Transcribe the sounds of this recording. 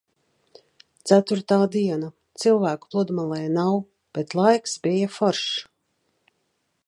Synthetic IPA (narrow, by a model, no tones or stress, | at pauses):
t̪sæt̪uɾt̪aːd̪iɛna | t̪silˠvæːku̥plˠud̪malˠɛjnaw | b̥et̪lˠajksbijafɔɾʃ